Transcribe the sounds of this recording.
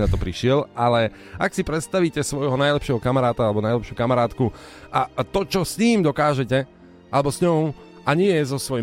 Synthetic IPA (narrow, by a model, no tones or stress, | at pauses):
nat̪ɔpɾiʃɪɛlalɛ | aksipɾɛt̪st̪aʋiːcɛsʋɔjɦɔnajlɛpʃɪɛɦɔkamaɾaːt̪aalɛbɔnajlɛpʃjukamaɾaːt̪kuʔat̪ɔt͡ʃɔsɲiːmd̪ɔkaːʒɛcɛ | ʔalɛbɔsɲɔʊ | ʔaɲɪɛjɛzɔsʋɔj